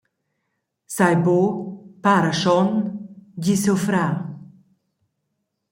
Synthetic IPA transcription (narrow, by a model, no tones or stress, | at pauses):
sajbopaɾaʃɔnɟisofɾa